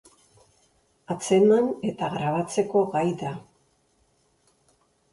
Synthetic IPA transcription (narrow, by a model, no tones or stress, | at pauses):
at͡se̞mane̞t̪aɣɾaβat͡se̞ko̞ɣajða